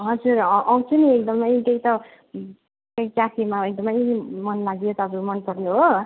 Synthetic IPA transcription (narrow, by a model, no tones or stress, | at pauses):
ɦʌd͡zurʔʌw̃t͡sʰuniek̚d̪ʌmʌjk̪eit̪ʌ | kʌikakʰimaek̚d̪ʌmʌjmʌnlaɡijot̪ʌʌbɾumʌnpʌɾjoɦo